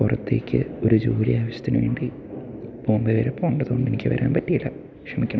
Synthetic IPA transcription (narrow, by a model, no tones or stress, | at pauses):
kurɐt̪ːe̞̰ːkʲʰːɨ̰o̞ɾud͡ʑuːɾiaːʋɐɕɐt̪ːinɨʋeːɳɖi | boːmbeʋɐɾepːoːuɳɖɐðuɣoɳɖe̞nikʲːɨʋɐ̰ɾʔa̰ːnpɐtːijɐlːɐ | kʂɐmikʲːɳɐ